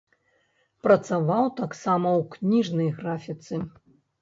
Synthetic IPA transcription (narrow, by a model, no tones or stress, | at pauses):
pɾɐt̪savawt̪aksamɐwknʲiʐnɐjɣɾafʲit̪sɨ